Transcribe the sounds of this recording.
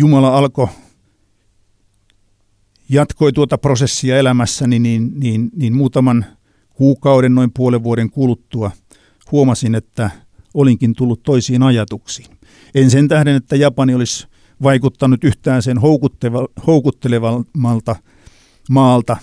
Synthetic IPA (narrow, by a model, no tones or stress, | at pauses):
jumɑlɑɑlko | jɑt̪koit̪uot̪ɑprosesːiɑelæmæsːæniniːnniːnniːnmuːt̪ɑmɑn | kuːkɑuɾennoimpuoleʋʋuoɾeŋkulut̪ːuɑ | huomɑsinet̪ːæ | oliŋkint̪ulːut̪toisiːnɑjɑt̪uksi̥ːn | ensent̪æhɾenet̪ːæjɑpɑniolis | ʋɑikut̪ːɑnut̪yht̪æːnsenhoukut̪ːeʋɑhoukut̪ːeleʋɑmːɑlt̪ɑ | mɑːlt̪ɑ